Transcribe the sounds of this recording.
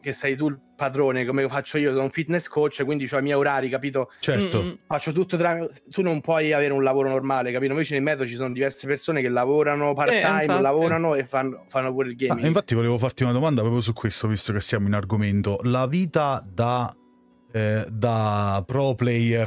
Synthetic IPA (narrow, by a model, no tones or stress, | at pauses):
kesːɛjt̪̬ulpad̪ɾoːnekomefat͡ʃːoiːosonuɱfit̪nɛskot͡ʃːekwind̪it͡ʃɛmɛoɾaːɾikapiːt̪̬ot͡ʃɛrt̪ofat͡ʃːot̪ut̪ːot̪ɾamt̪unːompwɔjaveːɾeunlavoːɾonormaːlekapiːoĩvet͡ʃenemɛːd̪ot͡ʃisoːnod̪ivɛrsepersoːnekelːavoːɾanopart̪ajmlavoːɾanoefːanːofanːopuːɾeilɡeːmiŋiɱfat̪ːivoleːvofart̪iunad̪omand̪apɾɔːpjos̬ukʰːwest̪ovist̪okesːjaːmoinarɡoment̪olaviːt̪ad̪a | d̪apɾɔplɛjɛr